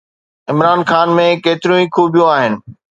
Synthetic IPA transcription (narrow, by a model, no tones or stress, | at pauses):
ɪmɾaːnxaːnmẽkeːt̪ɪɾijũĩkʰuːbijũaːɦɪnɪ̆